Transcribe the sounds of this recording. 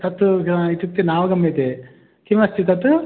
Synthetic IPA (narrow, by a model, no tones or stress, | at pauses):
t̪ɐt̪ːuit̪uk̚t̪inaːʋɐɡɐmet̪e | kimɐst̪it̪ɐt̪u